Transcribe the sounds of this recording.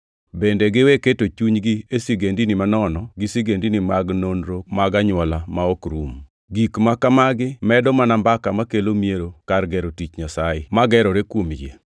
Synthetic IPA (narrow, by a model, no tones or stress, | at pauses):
bendeɡɪweketot͡ʃuɲɡiesiɡendinɪmanɔnɔɡɪsiɡendinimaɡnonɾomaɡaɲwɔlamaɔkɾum | ɡikmakamaɡɪmɛdɔmanambakamakelomieɾokarɡɛɾotit͡ʃɲasaɪmaɡɛɾɔɾekwomjḛ